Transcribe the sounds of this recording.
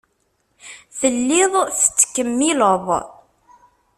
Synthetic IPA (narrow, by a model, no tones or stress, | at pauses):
θəlːɪðˤθə̥t͡sːkːəmːɪləðˤ